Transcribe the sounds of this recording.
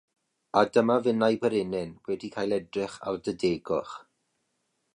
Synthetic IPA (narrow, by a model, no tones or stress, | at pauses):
adəmavɪnajbəɾɪnɪnwɛdikʰaːjlˠɛdrɪχa̰rdədeːɡɔχ